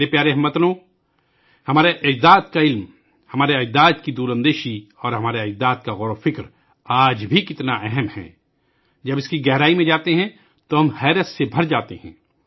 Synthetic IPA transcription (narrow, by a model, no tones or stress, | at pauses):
ɾepjaːɾeɦɐmːɐt̪nõː | hɐmaːɾeʔɪd̪aːt̪kaɪlm | hɐmaːɾeɐd͡ʒd̪aːt̪kid̪uːɾə̃nd̪eːʃiɔːɾɦɐmaːɾeɐd͡ʒd̪aːt̪kaɣɔːɾofɪkɾ | aːd͡ʒbʱikɪt̪naʔɛɦəmhɛ̰ː | d͡ʒɐbɪskiɡɛɦɾaːimẽd͡ʒaːt̪eɦɛ̃ | t̪oɦɐmhɛːɾəssebʱɐɾd͡ʒaːt̪ehɛ̰̃ː